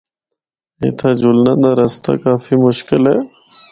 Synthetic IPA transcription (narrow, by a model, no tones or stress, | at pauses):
ḛ̃ːt̪ʰaːd͡ʒʊlnãːd̪aːɾəst̪a̰ːkaːfiːmʊʃkɪlɦɛː